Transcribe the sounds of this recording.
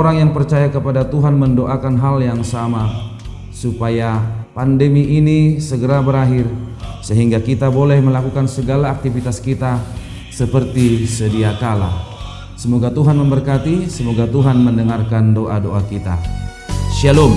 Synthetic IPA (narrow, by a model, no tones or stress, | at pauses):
oɾaŋjaŋpərt͡ʃajakəpadat̪uɦanməndoʔakanɦaljaŋsama | supajapandəmiːnisəɡəɾabəɾaɦɪrsəɦiŋɡakit̪abolɛhməlakukansəɡalaːk̚t̪ifit̪askit̪a | səpərt̪isədiakala̰ | səmoɡat̪uɦanməmbərkat̪isəmoɡat̪uɦanməndəŋarkandoʔadoʔakit̪a̰ | ʃalɔm